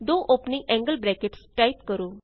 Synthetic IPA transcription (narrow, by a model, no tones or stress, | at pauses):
d̪oːʔoːpnĩʔɛ̃ːŋɡəlbɾɛːkeʈsʈaɪt̪kəɾoː